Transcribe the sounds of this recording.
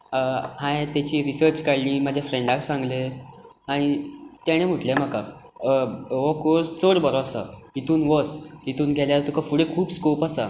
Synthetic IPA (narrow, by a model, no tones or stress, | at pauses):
hãjt̪at͡ɕiːɾisəɾt͡ɕkaɽniːmad͡ʑʱjafɾeɳɖaksãŋɡle | aɽ̃it̪jaɽ̃em̤uʈlem̤aka | ʋɔkoɾst͡səɽbəɾɔasa̰ɦit̪uːnʋɔsɦit̪uːnɡʱɛljaɾt̪ukʰafuɽekʰuːbskopasa